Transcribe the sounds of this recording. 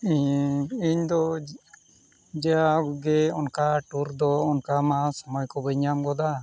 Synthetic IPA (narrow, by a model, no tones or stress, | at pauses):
iɲiɲd̪ɔ | d͡ʒɛaɡɛɔnkaʈuɾd̪ɔːnkamasɔmɔjkɔbɛɲamɡɔd̪a